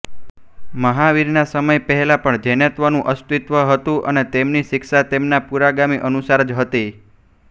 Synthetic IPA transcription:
məɦaʋiɾnasəməjpəɦɛlapəɳd͡ʒɛnət̪ʋənũʔəst̪it̪ʋəɦət̪ũʔənet̪emniʃɪkʃat̪emnapuɾaɡamiʔənusaɾd͡ʒɦət̪i

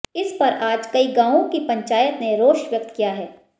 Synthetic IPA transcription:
ɪspɐɾʔaːd͡ʒkɐiɡãːõkipɐ̃ɲt͡ʃaːjət̪neɾoːʃʋjʊk̚t̪kijaɦɛː

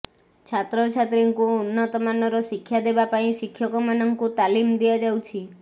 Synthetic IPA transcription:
t͡ʃʰat̪ɾɔt͡ʃʰat̪ɾiŋkuːnːɔt̪ɔmanɔɾɔʃikʰːjad̪ebapaĩʃikʰːjɔkɔmanɔŋkut̪alimd̪iad͡ʒawt͡ʃʰi

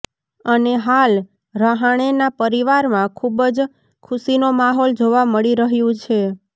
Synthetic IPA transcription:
əneɦal | ɾaɦaɽ̃enapəɾiʋaɾmãkʰubəd͡ʒ | kʰʊsinomaɦɔld͡ʒoʋaməɭiɾəɦjũt͡ʃʰe

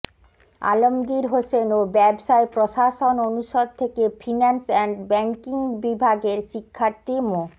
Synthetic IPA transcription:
a̰lomɡiɾɦosenobɛbʃaepɾoʃaʃononuʃod̪̚t̪ʰekefʰinansɛnɖbɛŋkiŋbibʱaɡeɾʃikʰːaɾt̪imo

